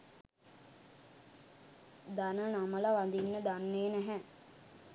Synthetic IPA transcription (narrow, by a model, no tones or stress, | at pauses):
d̪anənaməlaʋand̪inːəd̪anːeːnæɦɛ